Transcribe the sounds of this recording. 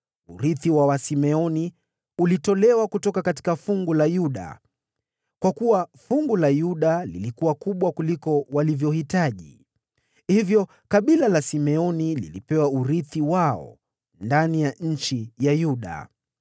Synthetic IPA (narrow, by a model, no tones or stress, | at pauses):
uɾiθiwawasimɛɔni | ulitɔlɛwakutɔkakati̥kafuŋɡulajuɗa̰ | kwakuwafuŋɡulajuɗalilikuwakuɓwakulikɔwalivjɔhitaʄḭ | hivjɔ | kaɓilalasimɛɔnilḭlipɛwauɾiθiwaɔ̰ | ndanijaɲ̩t͡ʃijajuɗa̰